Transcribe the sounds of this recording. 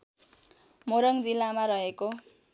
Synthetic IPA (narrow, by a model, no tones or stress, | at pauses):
moɾʌŋd͡zilːamaɾʌɦeko